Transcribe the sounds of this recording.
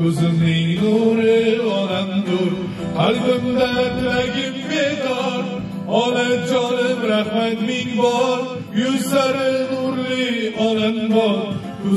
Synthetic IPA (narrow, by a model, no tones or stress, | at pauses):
ɵzɪmnɪŋnuɾɪɒlamd̪ʊɾ | haɾkʊnd̪atlaɡʲɪpɡed̪ɔɾ | ɒlɪd͡ʒɒlɪpɾahmat̪mɪŋbɒɾ | jʊzlaɾɪnuɾliɒlambɒɾ